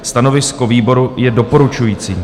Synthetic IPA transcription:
st̪ano̞vɪskoviːbo̞ɾujɛdo̞po̞ɾut͡ʃujiːt͡siː

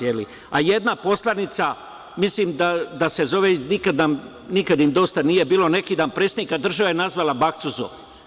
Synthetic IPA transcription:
jeli | aje̞d̪napo̞slˠanit̪sa | misliːmd̪ad̪ase̞zo̞ʋenikad̪nam | nikad̪imd̪o̞st̪anije̞biːlo̞ne̞kiːd̪aːnpɾesed̪nikad̪r̩ʒaʋajenazʋalabakt̪suzo̰

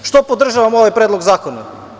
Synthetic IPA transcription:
ʃt̪opod̪r̩ʒaʋamoʋajpɾed̪loɡzaːkona

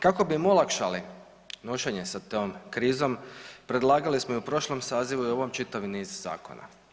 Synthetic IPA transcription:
kako̞bimolˠakʃali | noʃeɲe̞sat̪oːmkɾiːzo̞mpɾe̞d̪lˠaːɡalismoiupɾo̞ʃlomsaːziʋuio̞ʋomt͡ʃit̪aʋniːzza̰ːko̞̰na̰

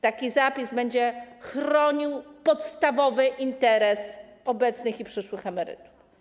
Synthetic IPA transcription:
t̪akʲizapʲizbɛɲd͡ʑɛxɾɔɲiwpɔt̪st̪avɔvɘʔint̪ɛɾɛsɔbɛt̪snɘxipʂɘʂwɘxɛmɛɾɘ̰t̪u̥f

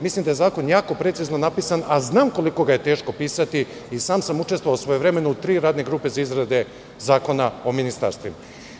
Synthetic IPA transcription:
mislimd̪aje̞zaːko̞njaːko̞pɾe̞t̪sizno̞napisanaznaːmko̞liko̞ɡajet̪e̞ːʃko̞piːsat̪iisaːmsamut͡ʃest̪ʋoaːwsʋojevɾe̞me̞nuut̪ɾiːɾaːd̪neɡɾuːpe̞zaizɾad̪e | zaːko̞nao̞minist̪a̰ɾst̪vima

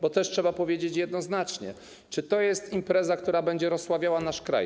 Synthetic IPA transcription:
bɔt̪ɛʂtʂɛbapɔvʲjed͡ʑet͡ɕjɛd̪nɔznat͡ʂɲɛ̰ | t͡ʂɘt̪ɔjɛst̪impɾɛzakt̪uɾabɛɲd͡ʑɛɾɔsːwavʲjawanaʂkɾa̰j

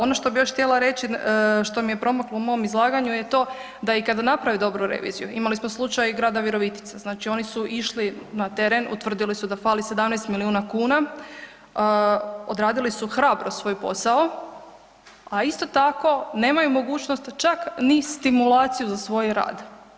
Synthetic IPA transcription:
o̞no̞ʃt̪o̞bijo̞ʃxt̪jelˠaɾe̞t͡ɕiʃt̪o̞mije̞pɾo̞makloumo̞omizlˠaːɡaɲujet̪o̞ː | d̪aikad̪anapɾaʋid̪o̞bɾuɾḛʋḭzijuimalismoslˠut͡ʃajɡɾaːd̪aʋiɾo̞ʋit̪i̥t̪saznaːt͡ʃio̞nisuʔiʃlinat̪e̞ɾenṵt̪ʋr̩d̪ilisud̪afaːlise̞d̪amnɛjst̪miliuːnakuːna | od̪ɾaːd̪ilisuxɾaːbɾosʋo̞jpo̞̰sao | aist̪o̞t̪ako̞ne̞ːmajumo̞ɡuːt͡ʃnost̪t͡ʃaknist̪imulˠaːt̪sijuzasʋo̞jɾa̰ːd̪

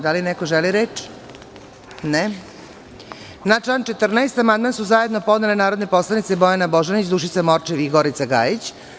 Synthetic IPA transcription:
d̪alinekoʒeliɾet͡ʃ | ne | nat͡ʃlant͡ʃe̞t̪r̩naest̪amand̪mansuzaje̞d̪no̞po̞d̪nelenaːɾo̞d̪ne̞po̞slˠanit̪sebo̞janabo̞ʒanit͡ɕd̪uʃ̬it̪samoɾt͡ʃeʋiɡoɾit̪saɡa̰ːjit͡ɕ

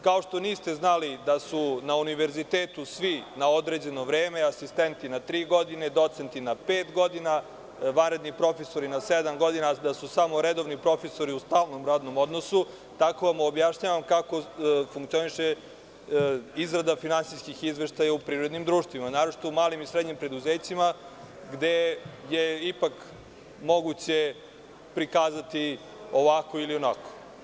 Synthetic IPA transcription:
kao̞ʃt̪oniːst̪e̞znalid̪asunauniʋe̞ɾzit̪eːt̪usʋinaod̪ɾeːd͡ʑe̞noʋɾeːmeasist̪ent̪inat̪ɾiːɡo̞d̪ined̪o̞t̪sent̪inapeːt̪ɡo̞d̪ina | ʋanɾe̞d̪nipɾo̞feso̞ɾinased̪amɡo̞d̪inad̪asusamo̞ɾed̪o̞ʋnipɾo̞feso̞ɾiust̪aːlno̞mɾaːd̪no̞mo̞d̪no̞su | t̪akoʋamobjaʃɲaːʋamkako̞fuŋkt̪sio̞niʃe | izɾad̪afinansiskixizʋeʃt̪ajaupɾiːɾo̞d̪nimd̪ɾuːʃt̪ʋimanaːɾot͡ʃi̥t̪oumaːlimisɾed̪ɲimpɾe̞d̪uzeːt͡ɕima | ɡd̪ejeipak | mo̞ɡut͡ɕe | pɾikaːzat̪i | oʋakoilionako̥

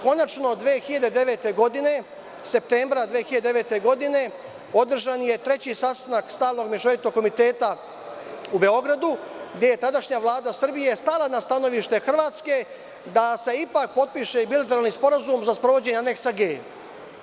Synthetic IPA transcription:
ko̞nat͡ʃno̞d̪ʋeːxiʎad̪ed̪e̞ʋe̞ːt̪e̞ɡo̞d̪ine̞ | se̞p̚t̪embɾad̪ʋeːxiʎad̪eʋe̞ːt̪eɡo̞d̪ine̞ | o̞d̪r̩ʒanje̞t̪ɾe̞t͡ɕisast̪anakst̪aːlno̞ɡmjeʃoʋjit̪no̞ɡkːo̞mit̪e̞ːt̪a | ube̞o̞ɡɾad̪uɡd̪ʲje̞je̞t̪ad̪aʃɲaʋlˠaːd̪asr̩bije̞st̪alˠanast̪ano̞ʋiʃt̪e̞xr̩ʋaːt̪ske̞ | d̪ase̞ipak̚po̞t̪̚piʃe̞bilˠat̪eɾalnispo̞ɾazumzaspɾo̞ʋo̞d͡ʑe̞ɲaneksaɡeː

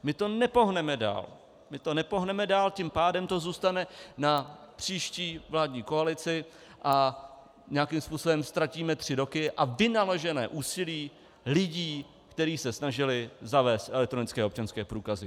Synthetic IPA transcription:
mɪt̪o̞nɛpo̞ɦnɛmɛda̰ːl | mɪt̪o̞nɛpo̞ɦnɛmɛdaːlcimpaːdɛmt̪o̞zuːst̪anɛnapr̝̥iːʃciːvlaːdɲiːko̞alɪt͡sɪ | ʔa | ɲɛakɪmspuːsobɛmst̪ɾaciːmɛt̪r̝̥ɪɾo̞kɪʔavɪnaloʒɛnɛ̰ːʔuːsɪliː | lɪɟiː | kt̪ɛɾiːsɛsnaʒɪlɪzavɛːst̪ʔɛlɛk̚t̪ɾo̞nɪt͡skɛːop̚t͡ʃanskɛːpɾuːkazɪ

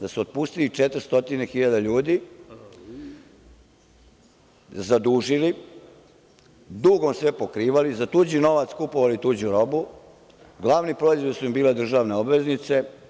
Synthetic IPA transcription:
d̪asuot̪̚puːst̪ilit͡ʃet̪ɾst̪o̞t̪inexiʎad̪aʎuːd̪i | zad̪uːʒili | d̪uːɡo̞msʋepokɾiːʋalizat̪uːd͡ʑino̞ʋat̪skupoʋalit̪uːd͡ʑuɾo̞bu | ɡlˠaːʋnipɾo̞ːizʋoʋisuimbiːle̞d̪r̩ʒaʋneobʋe̞znit̪se̞

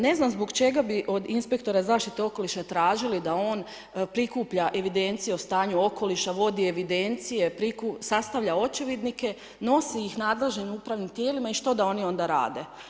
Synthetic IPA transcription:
ne̞znamzbo̞ɡt͡ʃe̞ɡabiʔo̞d̪inspe̞k̚t̪o̞ɾazaːʃt̪it̪e̞o̞ko̞liʃat̪ɾaːʒilid̪ao̞ːn | pɾikuːpʎaʔe̞ʋid̪e̞nt̪sije̞ost̪aːɲuo̞ko̞liʃaʋo̞d̪ie̞ʋid̪e̞nt̪sije̞pɾikusast̪aʋʎao̞t͡ʃeʋed̪nike̞ | no̞siixnaːd̪le̞ʒnimuːpɾaːʋnimt̪je̞ːlimaiʃt̪o̞d̪ao̞nio̞nd̪aɾa̰ːd̪e̞

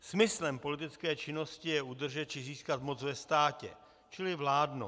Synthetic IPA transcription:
smɪslɛmpo̞lɪt̪ɪt͡skɛːt͡ʃɪno̞scɪjɛʔud̪r̩ʒɛt̪̚t͡ʃɪziːskat̪mo̞t͡svɛst̪aːcɛ̰ | t͡ʃɪlɪvlaːdno

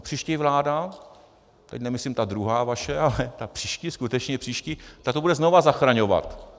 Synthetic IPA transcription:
pr̥iːʃcɛjvlaːda | t̪ɛcnɛmɪslimt̪ad̪ɾuɦaːvaʃɛalɛt̪apr̥iːʃcɪskut̪ɛt͡ʃɲɛpr̥iːʃcit̪at̪obudɛznovazaxɾaɲo̞va̰t̪

